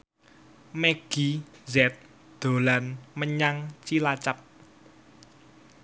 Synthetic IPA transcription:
meɡ̥izɛt̪̚ | d̪̥o̤lanməɲaŋt͡ʃilat͡ʃap̚

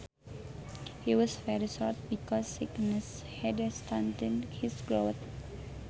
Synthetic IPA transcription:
hiwɔsvɛɹiʃɔt̪̚bikɔsiknəs | hɛdəst̪ʰãnt̪ĩnhisɡɹot̪̚

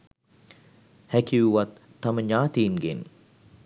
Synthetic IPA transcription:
hækiʋuʋat̪ːɐməɲaːt̪iːnɡen

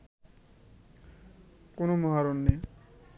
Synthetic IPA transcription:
konomɔɦaɾonːe

